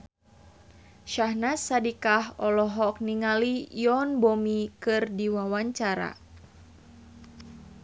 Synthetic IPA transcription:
ʃahnasadikaɦɔlɔɦɔk̚niŋalijɔnbɔmikɨrdiwawaɲt͡ʃaɾa̰

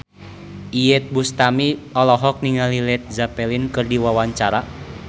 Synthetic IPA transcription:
ʔijɛt̪̚bust̪amiɔlɔɦɔk̚niŋalilɛt̪̚zapɛlinkɨrdiwawaɲt͡ʃaɾa

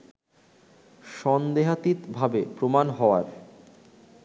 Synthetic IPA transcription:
ʃɔnd̪eɦat̪it̪bʱabepɾomanɦɔoaɾ

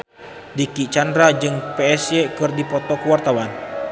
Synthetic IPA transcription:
dikit͡ʃandɾad͡ʒɨŋpɛɛsjɛkɨrdipɔt̪ɔkuwart̪awan

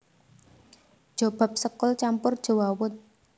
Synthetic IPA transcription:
d̥ʒ̥o̤b̥a̤p̚səkʊlt͡ʃampʊrd̥ʒ̥o̤wawʊt̪̚

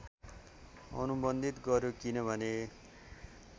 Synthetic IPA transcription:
ʌ̰nubʌnd̪ʱit̪ɡʌɾjokinʌbʱʌne

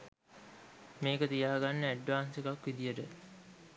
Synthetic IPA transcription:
meːkət̪ijaːɡanːəæɖʋaːnsekakʋid̪ijəʈə

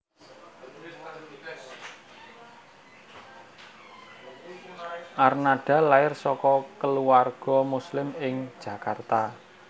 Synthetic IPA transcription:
ʔarnaɖ̥a̤laɪrsɔkɔkəluarɡ̥ɔ̤muslɪmɪŋ̥ʒ̥ä̤kart̪a

